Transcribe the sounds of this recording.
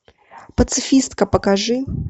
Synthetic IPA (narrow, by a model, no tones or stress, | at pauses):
pɐt̪sɨfʲist̪kɐpɐkaʐɨ